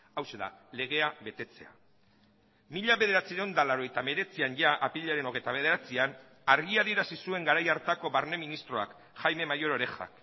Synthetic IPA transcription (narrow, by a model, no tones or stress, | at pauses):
awse̞ða̰le̞ɣ̞e̞aβe̞t̪e̞t͡se̞a̰ | miʎaβe̞ðe̞ɾat͡siɾend̪alaɾo̞ejt̪ame̞ɾe̞t͡sianʝaʔapiʎeaɾe̞no̞ɣejt̪aβ̞e̞ðe̞ɾat͡sian | aɾɣiaðie̞ɾasisue̞ŋɡaɾajaɾt̪ako̞βaɾne̞minist̪ɾo̞a̰k | ʝajme̞majo̞ɾo̞ɾe̞xa̰k